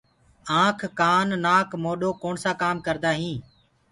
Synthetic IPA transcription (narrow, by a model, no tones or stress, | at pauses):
ãːkʰːaːnːaːkʰmoːɗoːkoːɳsaːkaːmkəɾd̪aːɦĩː